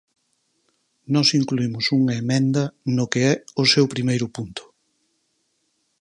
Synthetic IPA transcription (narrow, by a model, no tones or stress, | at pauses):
nɔsiŋkluimʊsuŋɐemɛ̃nd̪ɐnʊkeɛosewpɾimejɾʊpunt̪ʰʊ̥